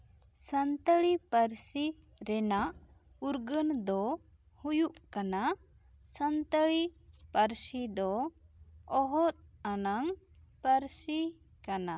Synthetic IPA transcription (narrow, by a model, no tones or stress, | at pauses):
sənt̪əɭipəɾsi | ɾɛnaʔ | uɾɡənd̪ɔ | hujuʔkana | sənt̪əɭipəɾsid̪ɔ | ɔɦɔt̪̚ˀanaŋ | pəɾsi | kana